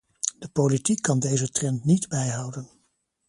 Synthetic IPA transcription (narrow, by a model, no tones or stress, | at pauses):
d̥əpowlitikʰːɑndejzətrɛntnidbɛjɦɑwdən